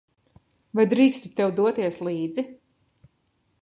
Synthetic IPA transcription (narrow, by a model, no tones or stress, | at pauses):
vajd̪ɾiːkst̪u̥t̪ɛwd̪uɔt̪iɛslˠiːd̪zi